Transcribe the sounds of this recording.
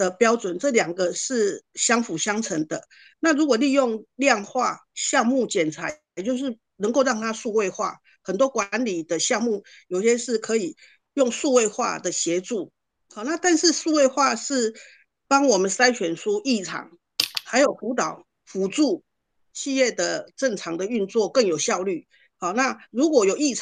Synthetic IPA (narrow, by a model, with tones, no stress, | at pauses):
d̪ə˧pjɑ˥ʊt͡swə˨˩nʈ͡ʂɤ˥˩ljɑ˨˩ŋɡə˦ʂɻ̩˥˩ɕjɑ˥ŋfu˨˩ɕjɑ˥ŋt͡sʰə˧˥ŋd̪ə˧ | na˥˩˨ɻu˧˥kwɔ˨˩li˥˧jo˥˧ŋljɑ˥˧ŋxwa˥˧ɕjɑ˥˧ŋmu˥˩t͡ɕjɛ˨˩nt͡sʰa˧˥ | t͡ɕjo˥˧ʊʂ̬ɻ̩˥˩ | nə˧˥ŋko˥˧ʊɻɑ˥˩ŋt̪ʰa˥ʂu˥˧we˥˧ɪxwa̰˥˩ | xə˨˩nt̪wɔ˦˥kwa˧˦nli˨˩d̪ə˦ɕjɑ˥˧ŋmu˥˩ | jo˨˩ʊi˦ɕjɛ˥nʂɻ̩˥˩kʰɤ˧˦i˨˩ | jʊ˥˧ŋʂu˥˧we˥˧ɪxwa̰˥˧d̪ə˩ɕjɛ˨˧˥ʈ͡ʂu˥˩ | hɔ˥˩na˥˧t̪a˥˧nʂɻ̩˥˧ʂu˥˧we˥˧ɪxwa˥˧ʂɻ̩˥˩ | pɑ˥ŋwɔ˨˩mə˨˦nsa˥ɪt͡ɕʰɥɛ˨˩nʂu˦ʔi˥˩ʈ͡ʂʰɑ̰˨˩˦ŋ | xa˧˥ɪjo˨˩ʊfu˧˥t̪ɑ˨˩ʊ | fu˨˥ʈ͡ʂu˥˩ | ɕi˥˧jɛ˥˩d̪ə˩ʈ͡ʂə˥˩ŋʈ͡ʂʰɑ˨˩˦ŋd̪ə˨y˥˧nt͡swɔ˥˨kə˥˩ŋjo˨˩ʊɕjɑ˥˧ʊly˥˩ | hɔ˥˩na˥˩ɻu˧˦˥kwɔ˨˩jo˨˩ʊi˥˩ʈ͡ʂʰ